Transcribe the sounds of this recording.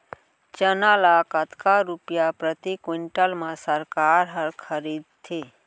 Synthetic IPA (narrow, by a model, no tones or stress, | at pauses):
t͡ʃənalakət̪ʰkaɾupjapɾət̪ikwɪɳʈəlmãsəɾkaːɾɦəɾkʰəɾiːd̪̚t̪ʰeː